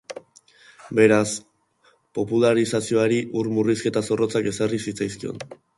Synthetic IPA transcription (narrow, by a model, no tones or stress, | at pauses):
be̞ɾas | po̞pulaɾisasio̞aɾiʔuɾmuriske̞t̪aso̞ro̞t͡sake̞sarisit͡sajskio̞̰n